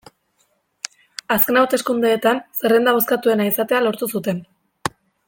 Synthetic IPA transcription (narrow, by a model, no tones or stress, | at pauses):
aske̞nawɾt̪e̞skund̪eːt̪anse̞re̞nd̪aβo̞skat̪ue̞naisat̪e̞alo̞ɾt̪usut̪e̞n